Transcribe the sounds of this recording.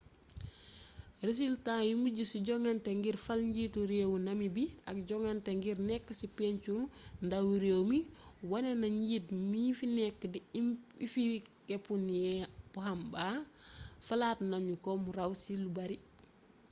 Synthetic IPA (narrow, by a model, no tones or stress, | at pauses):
res̬iltajumuɟusiɟɔŋanteŋɡiɾfɐlɲɟiːtuɾewunɐmibiɐk̚ɟɔŋanteŋɡiɾnɛkːəsipeɲt͡ʃulndawuɾeːwmiwɐnenɐɲitmifinɛkːədiifikɛpuniɛpuhamba | fɐlaːtnaɲukɔmuɾawsilubɐɾi